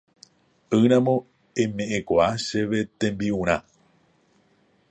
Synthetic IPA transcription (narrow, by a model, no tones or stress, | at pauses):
ɨɾ̃ãmõ̞ | ẽ̞mẽ̞ʔẽkʷaaʃe̞ʋe̞t̪ẽ̞mbiũɾ̃ã